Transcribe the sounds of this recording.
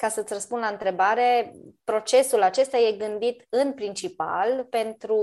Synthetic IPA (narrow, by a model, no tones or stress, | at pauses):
kasət̪ʲrəspunlaɨnt̪ɾe̞baɾe̞pɾo̞t͡ʃe̞sulat͡ʃe̞st̪aje̞ɡɨnd̪it̪ɨnpɾint͡ʃipa̰lpe̞nt̪ɾu